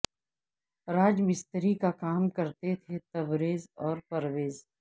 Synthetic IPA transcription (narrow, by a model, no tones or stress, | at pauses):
ɾaːd͡ʒbɪst̪əɾikakaːmkɐɾt̪et̪ʰet̪ɐbɾeːzɔːɾpɐɾʋeːz